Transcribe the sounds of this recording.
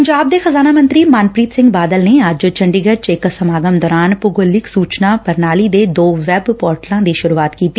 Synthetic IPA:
pəɲd͡ʒaːb̚d̪eːxəzaːnaːmə̃nt̪ɾiːmaːnpɾiːt̪sɪ̃ŋɡbaːd̪əlneːəd͡ʒt͡ʃəɳɖiɡəɖt͡ʃɪksəmaːɡəmd̪ɔːɾaːnpʊɡəlːɪksuːt͡ʃnaːpəɾnaːliːd̪eːd̪oːʋɛːbpɔːɾʈlãːd̪iːʃʊɾuːaːt̪kiːt̪i

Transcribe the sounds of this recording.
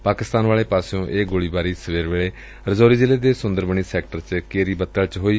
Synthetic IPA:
paːkɪst̪aːnʋaːɭeːpaːsõːʔeːɡoːɭiːbaːɾiːsəʋeːɾʋeːɭeː | ɾəzoːɾiːd͡ʒɪleːd̪eːsʊnd̪əɾbəɳiːsɛːkʈəɾt͡ʃkeːɾiːbət̪ːəlt͡ʃɦoːiː

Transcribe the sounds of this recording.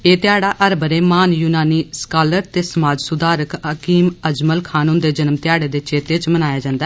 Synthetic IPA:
eːt̪ɪaːɽaːʔəɾbəɾeːmaːnjuːnaːniːskaːləɾt̪eːsəmaːd͡ʒsʊd̪aːɾəkəkiːməd͡ʒməlkʰaːnũːnd̪eːd͡ʒənəmt̪ɪjaːɽeːd̪eːt͡ʃeːt̪eːt͡ʃmənaːjaːd͡ʒãːnd̪aɛː

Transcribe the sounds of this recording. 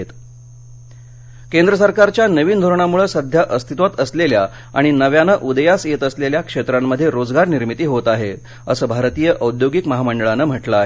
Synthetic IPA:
et̪ | kend̪ɾəsəɾkaɾt͡ɕjanəʋiːnd̪ʱoɾɳ̃amuɭəsəd̪ʱjaʔəst̪ʰit̪ʋat̪əslelja | a̰ɽ̃inəʋjanəʔud̪əjaset̪əsleljakʂet̪ɾamːəd̪ʱːjeɾod͡zɡaɾniɾmit̪iːɦot̪aɦe | əsəːbʱaɾt̪ijəʔəud̪joɡikməɦaməɳɖəɭanəm̤əʈləːɦe

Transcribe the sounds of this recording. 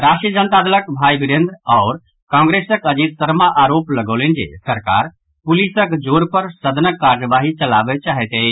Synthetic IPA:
ɾaʃʈɾijəd͡ʒənt̪ad̪ələkbʱaibiɽẽnd̪ɾɔʊɾ | kãŋɡɾesəkəd͡ʒit̪səɾmaʔaɾopləɡəlend͡ʒḛsəɾka̰ɾ | pulisəkd͡ʒoɾpəɾsəd̪ʱənəkːaɾjəbaɦit͡ʃəlabɛt͡ʃaɦɛt̪ɛ

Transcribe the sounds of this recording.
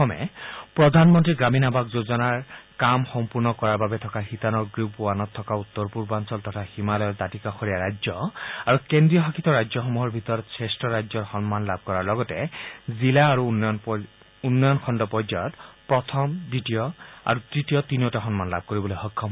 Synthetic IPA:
ɔmɛ̰pɹɔdʱanmɔntɹiɡɹaminabakzozɔnaɹkamxɔmpuɹnɔkɔɹaɹbabɛtʰɔkaxitanɔɹɡɹipuanɔtʰːɔkaut̪ːɔɹpuɹbansɔltɔtʰaximalɔjɔɹdatikaxɔɹijaɹajzɔaɹukendɹijɔɦakʰitɔɹajzɔxɔmuɦɔɹbʱit̪ɔɹɔtsɹestɔɹajzɔɹxɔnmanlab̚kɔɹaɹlɔɡɔtɛzilaːɹunn | unːɔjɔnkʰɔndɔpɔzajɔtpɹɔtʰɔmdɹitijɔa̰ɹutɹitijɔtiniotaxɔnmanla̰b̚ʱkoɹibɔlojxɔkʰːɔm

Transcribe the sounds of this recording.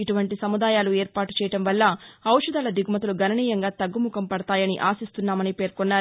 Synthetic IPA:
iʈuʋɐɳʈisɐmud̪aːjaːlueːɾpaːʈu̥t͡ʃɛːjɐɽɐmʋɐlːɐɐwʂud̪aːlɐd̪iɡʱumɐt̪uluɡɐnɐɳiːjɐŋɡaːt̪ɐɡːumukɐmpɐɽɐt̪aːjɐniʔaːsist̪unːaːmɐnipe̞ːɾkɔnːaːɾ

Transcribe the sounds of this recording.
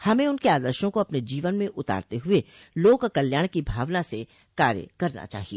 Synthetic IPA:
hɐmẽʊnkeaːd̪əɾʃõkoɐpned͡ʒiːʋənmẽʔʊt̪a̰ːɾt̪eɦʊe | loːkkɐljaːɽ̃kibʱaːʋnase | kaːɾjə̰kɐɾna̰t͡ʃa̰ːɦieː

